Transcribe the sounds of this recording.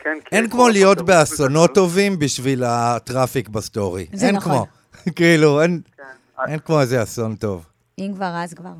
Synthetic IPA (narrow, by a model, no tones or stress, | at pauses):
ʔe̞nkmo̞lijo̞tbeasono̞tːo̞vimbiʃvilatʁafikbast̪o̞ʁḭzenkmo | kiiːluen | ʔe̞nkmo̞ezeaso̞nto̞v | imkvaʁazkvaʁ